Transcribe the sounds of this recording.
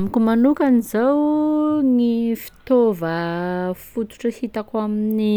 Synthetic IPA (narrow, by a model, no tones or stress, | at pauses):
mikumanukanizawŋifi̥t̪ovə | fut̪u̥ʈ͡ʂahit̪akamini